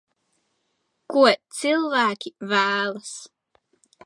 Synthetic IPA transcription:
kuɔt̪sɨlˠvæːkʲivæːlˠɐs

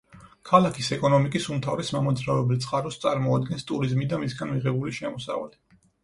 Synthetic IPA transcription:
kʰalˠakʰisɛkʼɔnɔmikʼisumt̪ʰavɾɛsmamɔd̪zɾavɛblit̪sʼqʼaɾɔst̪sʼaɾmɔad̪ɡɛnst̪ʼuɾizmid̪amisɡanmiʁɛbuliʃɛmɔsa̰va̰li

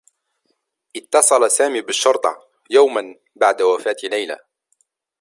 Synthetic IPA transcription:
ʔɪt̪ːɑsˤɑlasaːmiːbɪʃːʊɾt̪ˤɑ̰ | jawman | baʕd̪awafaːt̪ɪlːajla̰

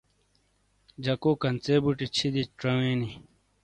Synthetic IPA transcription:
d͡ʑɐkoːkɐnt͡seːbuʈit͡ɕʰid̪iʈ͡ʂɐwẽːni

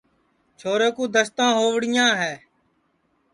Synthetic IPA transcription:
t͡ʃʰoːɾeːkũːd̪əst̪ãːɦoːʋɽɪjãːɦɛː

